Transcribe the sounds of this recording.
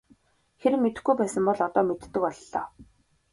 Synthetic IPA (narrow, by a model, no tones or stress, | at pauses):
xeɾɘ̆met̪ɘ̆xɡujpæːsə̆mpɔɮɔt̪ɔːmet̪ːɘ̆kɔɮːɔː